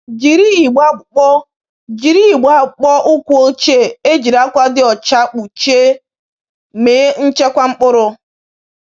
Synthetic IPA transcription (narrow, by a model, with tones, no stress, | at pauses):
d͡ʒi˨ɾi˦i˨ɡ͡ba˦ɡ͡bʊ˨k͡pɔ˦ | d͡ʒi˨ɾi˦˨ɡ͡ba˦˨k͡pɔ˦ʔʊ˦kʷu˦o˦t͡ʃe˦e˦d͡ʒi˨ɾa˦kʷa˦dɪ˦ɔ˨t͡ʃa˦k͡pu˨t͡ʃe˦ | meː˨˦n̩˦t͡ʃe˦kʷa˦ŋ͡m̩˦k͡pʊ˦ɾʊ˦